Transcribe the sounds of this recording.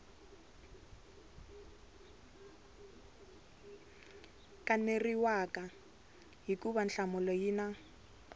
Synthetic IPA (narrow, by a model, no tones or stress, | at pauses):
kʼaneriwakʼa | ɦikʼuβanɬamʊlɔjiːna